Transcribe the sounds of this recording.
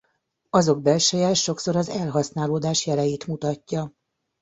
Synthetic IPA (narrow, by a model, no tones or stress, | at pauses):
ɒzo̞ɡ̚bɛlʃɛjɛːʃo̞kso̞ɾɒzɛlɦɒsnaːloːd̪aːʃjɛlɛjeːt̪mut̪ɒcːɒ